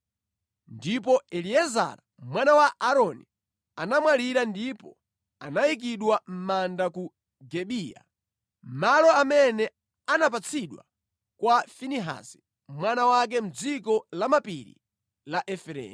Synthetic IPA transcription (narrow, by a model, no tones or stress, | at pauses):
ndip̬ɔɛliɛza̰ɾa | mwanawaʔaɾɔni | anamwaliɾandipɔ | a̰najik̬iɗwam̩mandaku | ɡɛɓiːja̰ | m̩malɔamɛnɛ | anap̬at͡sʰiɗwa̰ | kwafiniɦa̰si̥ | mwanawak̬ɛm̩d͡zikɔlamapḭɾḭ | laʔɛfɛɾɛ̰ː